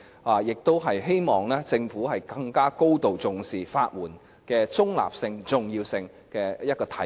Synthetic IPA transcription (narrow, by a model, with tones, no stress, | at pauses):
aː˨˩jɪ˨k̚t̪o˥wɦɐ˨jɦe˥jmɔː˨˩ŋlɛː˥t͡sɪ˧ŋfuː˨˥ɦɐ˨jkɐ˧ŋkaː˥ko˥wt̪o˨wt͡sʊ˨ŋsiː˨˩faː˧t̚wuː˨˩n | kɛː˧t͡sʊ˥ŋla̰ː˨p̚sɪ˧ŋt͡sʊ˨ŋjiː˧wsɪ˧ŋ | kɛː˧jɐ˥t̚kɔː˧t̪ʰɐ˨˥